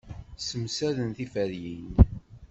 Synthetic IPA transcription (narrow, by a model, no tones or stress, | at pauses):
səmsæðənθifæɾjin